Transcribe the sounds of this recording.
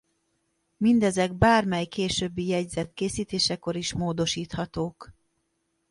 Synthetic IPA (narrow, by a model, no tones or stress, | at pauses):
mind̪ɛzɛɡ̚baːrmɛjkeːʃøːbːijɛɟzɛt̪keːsiːt̪eːʃɛko̞ɾiʃmoːd̪o̞ʃiːt̪hɒt̪oːk